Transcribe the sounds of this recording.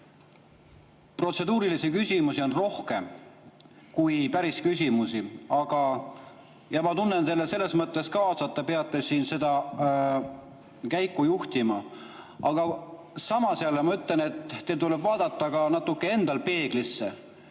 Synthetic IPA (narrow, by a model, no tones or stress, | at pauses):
pro̞t̪se̞d̪uːɾilisikysʲimusio̞nro̞hke̞m | kujpæɾiskysʲimusiɑɡ̥ɑ | jɑmɑt̪unːent̪e̞lːese̞lːe̞smɤt̪ːˑe̞skɑːsɑt̪ˑːɑpe̞ɑt̪ːˑe̞siːnse̞d̪̥ɑ | kæjkːˑujuht̪imɑ | ɑɡ̥ɑ | sɑmɑsɑlːemɑyt̪ːˑle̞ne̞t̪ːelt̪ulebvɑːd̪̥ɑt̪ːɑkɑnɑt̪ːˑukːˑee̞nd̪̥ɑlpe̞ːɡ̥lisːe